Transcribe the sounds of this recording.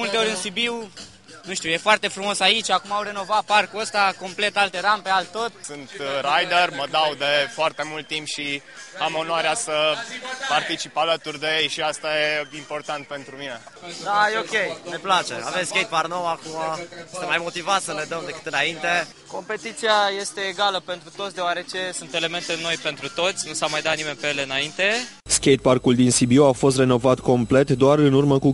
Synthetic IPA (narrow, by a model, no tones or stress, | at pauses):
mult̪eoɾʲɨnsibiw | nuʃt̪iujefoart̪e̞fɾumo̞sait͡ʃʲakumaːwre̞no̞vat̪̚parkuəst̪ako̞mple̞t̪alt̪e̞ɾampe̞alt̪o̞t̪sɨnt̪ɾajd̪erməd̪awd̪e̞foart̪e̞mult̪ːimpʃi | amo̞noaɾeasəpart̪it͡ʃipalət̪urʲd̪e̞jejʃiast̪ajeimpo̞rt̪ant̪̚pe̞nt̪ɾumine̞ | d̪ajeo̞kʲe̞jne̞plat͡ʃe̞̰a̰vemskʲejt̪̚parnowakumajest̪emːajmo̞t̪ivat̪sʲsəne̞d̪əmd̪e̞kɨ̥t̪ɨnaint̪e̞ | ko̞mpe̞t̪it̪siaje̞st̪e̞ːɡaləpe̞nt̪ɾut̪ot̪sd̪eoaɾe̞t͡ʃe̞sunt̪e̞le̞me̞nt̪e̞no̞jpe̞nt̪ɾut̪o̞t̪sʲnusamajd̪at̪nime̞npejeleɨnaint̪e̞ | skʲejt̪̚parkuld̪insibioafo̞st̪re̞no̞vat̪ko̞mple̞t̪d̪oarɨnurməku